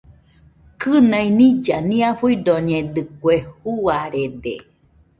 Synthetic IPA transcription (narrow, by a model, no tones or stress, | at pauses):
kɨnainid͡ʒanĩafuid̪oɲed̪ɨkwehuaɾed̪e